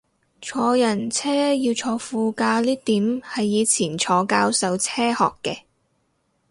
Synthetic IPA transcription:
t͡ʃʰɔː˨˧jɐ˨˩nt͡sʰɛː˥jiː˧wt͡ʃʰɔː˨˧fuː˧kaː˧liː˥t̪iː˨˥mhɐ˨jːiː˨˧t͡sʰiː˨˩nt͡ʃʰɔː˨˧kaː˧˥wsɐ˨˥wt͡sʰɛː˥hɔ̰ː˨kːɛː˧

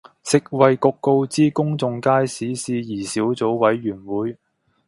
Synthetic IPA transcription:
sɪ˨k̚wɐ˨jkʊ˧kːo˧wt͡siː˥kʊ˥ŋt͡sʊ˧ŋkaː˥jsiː˨˥siː˧jiː˨˩siː˨˥wt͡so˨˥wwɐ˨˥jːyː˨˩nwuː˨˥j

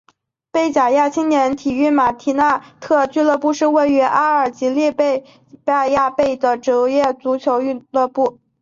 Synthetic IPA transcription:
pe˥˩ɪt͡ɕja˨˩ja˥˩t͡ɕʰi˥ŋnjɛ˧˥nt̪ʰi˨˩y˥˩ma˨˩t̪ʰi˧˥na˥˧t̪ʰɤ˥˧t͡ɕy˥˧lɤ˥˧pu˥˧ʂɻ̩˥˧we˥˩ɪy˧˥ʔa˥ə˞˨˩t͡ɕi˧˥li˥˧pe˥˧ɪ | pa˥˧ja˥˧pe˥˩ɪd̪ə˩ʈ͡ʂɤ˧˥jɛ˥˩t͡su˧˥t͡ɕʰjo˧˥ʊy˥˧lɤ˥˧pu˥˩

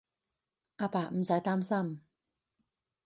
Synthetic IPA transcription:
ʔa˧paː˨˩m̩˨˦sa˨˥jt̪aː˥msa˥˨m

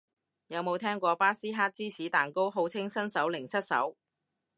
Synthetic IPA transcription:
jɐ˨˧wmo˨˧wt̪ʰɛː˥ŋkʷɔː˧paː˥siː˥ɦaː˥t̚t͡siː˥siː˨˥t̪aː˨˩nko˥wɦo˨˧wt͡sʰɪ˥ŋsɐ˥nsɐ˨˥wlɪ˨˩ŋsɐ˥t̚sɐ̰˨˥w

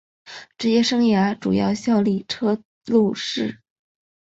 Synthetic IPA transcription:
ʈ͡ʂɻ̩˧˥˧ɕjɛ˥ʂɤ˥ŋja˧˥ʈ͡ʂṵ˨˩jɑ̰˥˧ʊɕjɑ˥˧ʊli˥˩ʈ͡ʂʰɤ˥ | lu˥˧ʂɻ̩˥˩

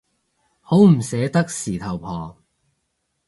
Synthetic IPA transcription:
ho˨˥wm̩˨˩sɛː˨˧˥t̪ɐ˥k̚siː˨˩t̪ʰɐ˨˩wpʰɔː˨˩

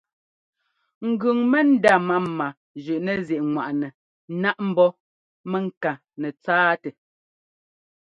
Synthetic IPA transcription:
ŋ̩˨ɡʉ˨ŋmɛ˦n̩˦da˦˨ma˦˨ma˨ | d͡ʒʉ˨ʔnɛ˨zjɛ˨ʔŋwa˨ʔnɛ˨˦ | na˦ʔm̩˦bɔ˦ | mɛ˨ŋ̩˨ka˨ | nɛ˨t͡saː˦tɛ˨

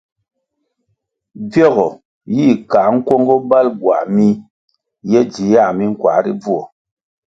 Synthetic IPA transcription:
b͡vjɔ˦˨ɣɔ˨ | ji˦˨ka˨˦ŋ̩˦kwɔ˦ŋɡɔ˦ba˦lɡwa̰˨mi˦ | jɛ˦d͡ʒi˨˦ja˦˨mi˦ŋ̩˦kwa̰˨˦ɾi˦b͡vu˦ɔ˨

